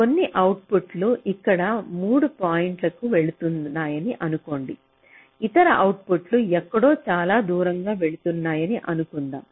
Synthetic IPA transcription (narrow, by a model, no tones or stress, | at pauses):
ko̞nːiʔɐwʈ̚puʈluʔikːɐɽɐmuːɽupaːjɐɳʈlɐkuʋe̞ɭut̪unnːaːjɐniʔɐnuko̞ːɳɖi | it̪ɐɾɐʔɐwʈ̚puʈluɛkːɐɽo̞ːt͡ʃaːlaːd̪uːɾɐŋɡaːʋe̞ɭut̪unːaːjɐniʔɐnukund̪a̰ː